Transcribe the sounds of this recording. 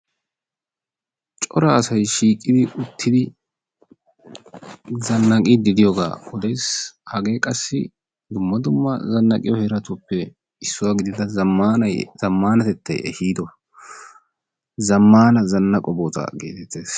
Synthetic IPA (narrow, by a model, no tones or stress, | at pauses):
t͡ʃʼɔɾɐːsɐjʃiːkʼːɪd̪ɪʊt̪ʰːɪd̪ɪ | zɐnːɐkʼid̪ɪd̪ɪjoɡa̰ːɔd̪ɛjshɐɡe̞ːkʼɐsːɪ | d̪ʊmːɐd̪ʊmːɐ̰zɐnːɐkʼɪjɔhɛɾɐt̪upːɛ | ɪsːʊwaɡɪd̪ɪd̪ɐɐmanɐjzɐmːaːnɐt̪ɛt̪ʰːɐjɛ̰hiːd̪ɔ | zɐmːaːnɐzɐnːɐkʼɔboːt̪ɐ̰ɡe̞̰ːt̪ɛt̪ːe̞ːs